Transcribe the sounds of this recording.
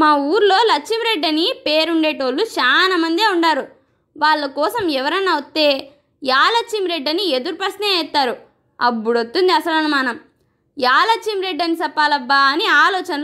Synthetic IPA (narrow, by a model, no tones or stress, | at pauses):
maːuːɾlo̞ːlɐkt͡ʃimɾe̞ɖːɐnipeːɾuɳɖe̞ːʈoːlːut͡ʃaːnɐmɐnd̪eːuɳɖaːɾu | ʋaːɭːɐkɔːsɐmɛʋɐɾɐnːaːʋot̪ːe̞ː | jaːlɐkt͡ʃːimɾe̞ɖːɐnied̪uɾupɐsneːɛt̪ːaːɾu | ɐ̰bːuɽot̪ːund̪iɐsɐlɐnumaːnɐm | jaːlɐkt͡ʃːimɾe̞ɖːɐnisɐpːaːlɐbːaːɐniaːlɔːt͡ʃɐnɐlː